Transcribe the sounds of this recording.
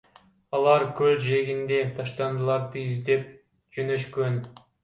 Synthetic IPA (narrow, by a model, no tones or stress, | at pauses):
ɑlˠɑɾkøld͡ʒe̞ɡind̪e̞t̪ʰɑʃt̪ɑnd̪ɯlˠɑɾd̪ɯizd̪e̞p̚ | d͡ʒønøʃkøn